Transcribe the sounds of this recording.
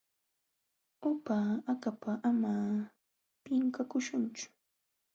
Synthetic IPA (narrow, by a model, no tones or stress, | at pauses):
ʊpaakapaʔama | pɪŋkakʊʃʊnt͡ʃʊ̥